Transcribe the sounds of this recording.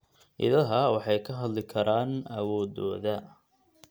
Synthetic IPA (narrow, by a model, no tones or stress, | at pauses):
ʔɪ̰ðɐɦɐwɑħɑjkʰɐɦɐd̪lɪkʰɐɾaːnɐwɔːðɔːðɐ